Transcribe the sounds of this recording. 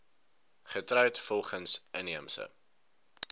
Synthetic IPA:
χətrœɥtfɔlˠχənsʔəniəmsə̰

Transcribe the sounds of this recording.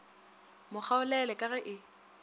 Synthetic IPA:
mʊk͡xʰaʊlɛlɛkʼaɣɛʔɪ

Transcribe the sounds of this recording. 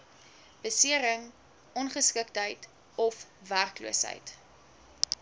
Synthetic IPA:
b̥əsiəɾəŋ | ɔnχəskək̚tɦəjt | ɔfværklṵəsɦə̰jt

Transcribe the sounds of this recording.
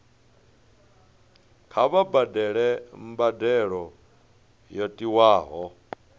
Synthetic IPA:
kʰaβabadɛɺɛmbadɛɺɔ | jɔtʼiwaːɦɔ

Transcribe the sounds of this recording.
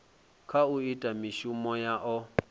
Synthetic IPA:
kʰauitʼamiʃumɔjaʔɔ

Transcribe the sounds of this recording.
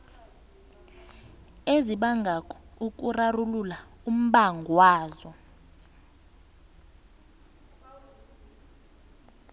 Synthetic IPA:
eziɓaŋɡʱakʰɔ̥uk̬ʼurarulula | um̩ɓaŋɡʱwaːzɔ

